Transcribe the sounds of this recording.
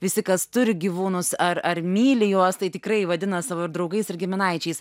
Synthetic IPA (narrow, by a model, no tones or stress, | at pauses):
ʋʲɪsʲɪkɐst̪ʊɾʲɪɡʲiːʋuːnʊsɐrɐrmʲiːlʲɪjuɔst̪ɐɪt̪ʲɪkɾɐɪʋɐd̪ʲɪnɐsɑʋoːɪɾd̪ɾɒʊɡɐɪsɪɾʲɡʲɪmʲɪnɐɪt͡ʃʲɛɪs